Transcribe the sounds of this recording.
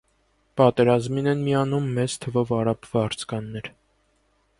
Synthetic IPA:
pɑt̪ɛɾɑzminɛnmiɑnumːɛt͡st̪ʰəvɔvɑɾɑpʰvɑɾt͡sʰkɑnːɛɾ

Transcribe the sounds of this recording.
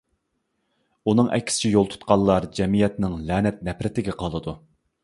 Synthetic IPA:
unɨŋʔɛ̰kʲʰːɪ̥sɪ̥t͡ʃʰɛjolˠt̪ʰu̥t̪qʰɑlˠːɑɾd͡ʒɛmijɛt̪nɪŋlɛːnɛt̪̚nɛpɾɪt̪ɪɡʲɛqʰɑlˠɨd̪u

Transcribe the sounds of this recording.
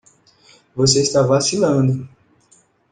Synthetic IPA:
vosest̪avasinãdi

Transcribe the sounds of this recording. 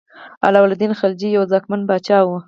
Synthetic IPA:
a̰lɑwalad̪inxald͡ʒijawzɑkmanbɑt͡ʃɑwə

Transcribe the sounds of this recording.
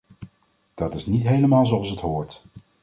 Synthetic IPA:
d̥ɑtɪsnitɦejləmaːlˠzowɑlˠsətɦʊːɹt

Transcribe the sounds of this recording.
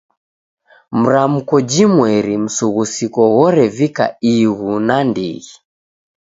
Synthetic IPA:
m̩ɾam̩kɔd͡ʒimwɛɾim̩suɣusikɔɣɔɾɛvika̰iɣunandḭɣi

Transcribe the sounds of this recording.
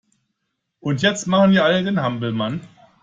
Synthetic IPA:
ʔʊntjɛt͡stmaχn̩viːɐʔalədeːnhambl̩man

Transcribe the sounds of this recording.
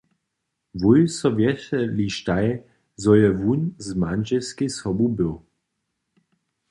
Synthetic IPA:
vujsɔvjɛtɛliʃtaj | zɔjɛvunzmanʒɛlskesɔbubɪw

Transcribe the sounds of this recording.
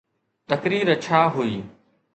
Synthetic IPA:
t̪əkɾiːɾət͡ʃʰaːɦuiː

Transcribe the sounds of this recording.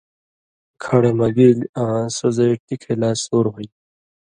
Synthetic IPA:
kʰɐɽemɐɡilãːsozaʈikʰelaːsoːɾɦoi

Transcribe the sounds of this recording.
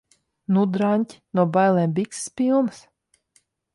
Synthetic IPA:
nud̪ɾanʲtʲnuɔbajlˠɛmbʲiksspʲilˠmɨs

